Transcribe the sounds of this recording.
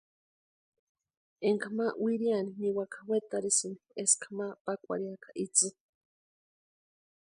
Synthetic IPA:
eŋkamawiɾianiniwakḁwet̪aɾisɨnieskʰḁmapakʷa̰ɾiakḁʔit͡sɨ

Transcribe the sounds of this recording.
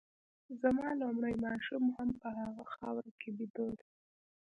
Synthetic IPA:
zamɑlomɽəjmɑʃumhampəɦaɣaxɑwɾakʰebid̪od̪

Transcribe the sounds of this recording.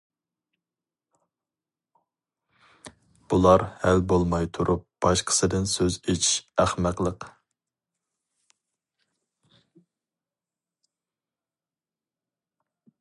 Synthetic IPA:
b̥ulˠɑɾhælbolˠmɑjt̪ʰuɾʔup̚b̥ɑʃqʰə̥sɨd̪ɪnsøzet͡ʃʰiʃæχmæqlˠəq

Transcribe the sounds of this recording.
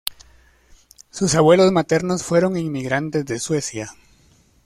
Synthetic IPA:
susaβwe̞lo̞zmat̪e̞ɾno̞sfwe̞ɾo̞ŋiŋmiɣɾant̪e̞zðe̞swe̞sja

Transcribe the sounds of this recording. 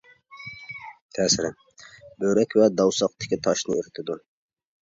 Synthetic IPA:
t̪ʰɛːsɪɾɪ | bøɾɛkʲvɛd̪ɑwsɑq̚t̪ɪ̥kʲit̪ʰɑʃnɨyɾɪt̪ʰɪd̪u

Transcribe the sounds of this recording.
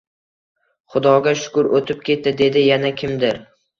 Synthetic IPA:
χʊd̪ɒɡʲaʃʊ̥kʊɾot̪ʰɪp̚kʲʰe̞t̪̚ːɪd̪e̞d̪ɪjanakʲʰɪmd̪ɪɾ

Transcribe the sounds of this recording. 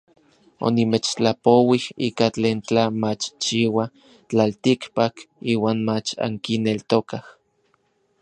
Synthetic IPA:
o̰nimet͡ʃt͡ɬapowihiːkat͡ɬeːnt͡ɬamat͡ʃt͡ʃiwa | t͡ɬalt̪ikpakiːwaːnmat͡ʃa̰ŋkinelt̪okah

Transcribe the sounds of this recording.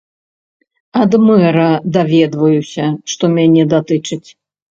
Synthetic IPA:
ad̪mɛɾɐd̪avʲɛd̪vɐjusʲɐʂt̪ɔmʲanʲɛd̪at̪ɨt͡ʂɨt͡sʲ

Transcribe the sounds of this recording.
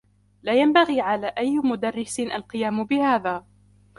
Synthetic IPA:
laːjambaɣiːʕalaːʔajːmʊd̪arːɪsɪnʔalqɨjaːmʊbɪhaːðaː

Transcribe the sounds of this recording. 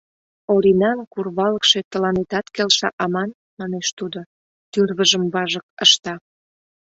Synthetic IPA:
oɾinɑnkurβɑləkʃet̪əlɑnet̪ɑt̪kelʃɑ̰ʔɑmɑn | mɑneʃt̪ud̪o | t̪yrβəʒəmβɑʒək̚əʃt̪ɑ

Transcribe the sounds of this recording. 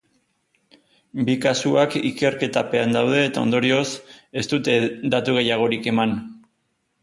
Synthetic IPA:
bikasuakike̞ɾke̞t̪ape̞and̪awð̞e̞ːt̪ao̞̰nd̪o̞ɾio̞se̞st̪ut̪e̞d̪at̪uɣ̞e̞jaɣ̞o̞ɾike̞man

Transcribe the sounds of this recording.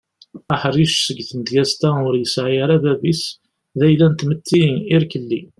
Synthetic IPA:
əħriʃsəɡθənd̪ɡæst̪æʊɾjəsʕjəɾæðævis | ðæjlænt̪mət̪ʰːiiɾkəlːi

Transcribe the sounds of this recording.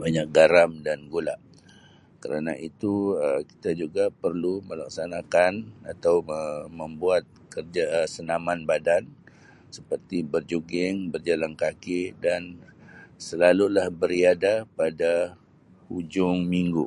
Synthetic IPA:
baɲak̚ɡaɾamdanɡula̰ʔ | kəɾa̰na̰ʔit̪uəki̥t̪ad͡ʒuɡapərluməla̰k̚sanakana̰t̪awmə̃mbuat̪̚kərd͡ʒasənamanbadan | səpərt̪ibərd͡ʒuɡɪŋbərd͡ʒalankakɪdan | səlalulahbəɾiadapada | hud͡ʒʊŋmiŋɡṵ

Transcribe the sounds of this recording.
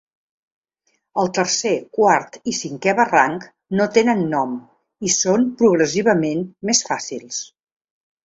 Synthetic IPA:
əlˠt̪əɾsekwaɾt̪isiŋkɛβəraŋk | not̪enənːɔm | isompɾuɣɾəsiβ̞əmenmesfasilˠs

